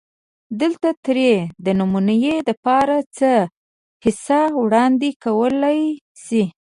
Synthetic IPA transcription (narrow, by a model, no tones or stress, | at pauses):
d̪əlt̪at̪ɾed̪ənumunajed̪əpɑɾat͡sə | hɪsɑwɽɑnd̪ekawəlaj | si